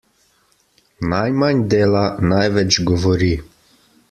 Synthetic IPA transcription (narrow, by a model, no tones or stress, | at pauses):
najmand̪eːlanajʋɛt͡ʃɡɔʋɔɾi